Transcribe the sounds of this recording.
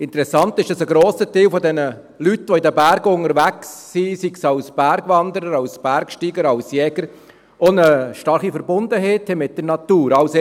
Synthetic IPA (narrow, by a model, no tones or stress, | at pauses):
ɪnt̪əɾɛsɑnt̪ɪʃd̥ɑsəɡɾoːsəteːlfɔd̪ɛnə | lytːʋɔidəbæɾɡəʊŋəɾʋæksːisiksɑʊsb̥æɾɡʋɑnd̪əɾəɾɑwsb̥æɾkʃtiːɡəɾɑwsjɛɡ̥əɾ | onəʃtɑɾχifəɾbʊnd̪əɦɛːthɛmɪt̚d̥əɾnɑtuːɾɑwse